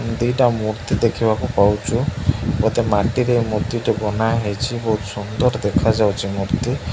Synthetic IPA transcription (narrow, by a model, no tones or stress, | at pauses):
d̪iʈamuɾt̪id̪ekʰibakupawt͡ʃʰukɔt̪emaʈiɾemuɾd̪iʈɔɡɔnajɦejt͡ʃʰibɔɦut̪sund̪ɔɾd̪ekʰad͡ʒawt͡ʃʰimuɾt̪i